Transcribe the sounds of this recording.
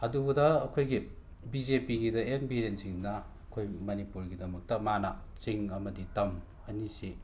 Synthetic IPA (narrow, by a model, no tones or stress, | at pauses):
ɐdubudɐːkʰojɡi | bizepiɡidɐembiɾensiŋnɐ | ɐkʰojmɐnipuɾɡidɐmɐk̚tɐmanat͡ʃiŋɐmɐditɐm | ɐnisi